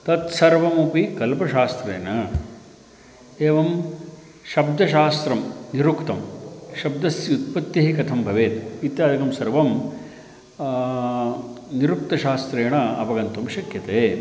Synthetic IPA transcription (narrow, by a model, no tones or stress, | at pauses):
t̪ɐt̪sɐɾʋɐmupikɐlpɐʃaːst̪ɾḛːnɐ | eːʋɐm | ʃɐb̚d̪ʱɐʃaːst̪ɾɐmniɾukt̪ɐmʃɐbd̪ɐsjjut̪̚pɐt̪jɐɦikɐt̪ʰɐmbʱɐʋeːt̪it̪jaːd̪ikɐmsɐɾʋɐm | niɾuk̚t̪ɐʃaːst̪ɾɐːɐɳɐɐbɐɡɐnt̪umʃɐkjɐt̪eː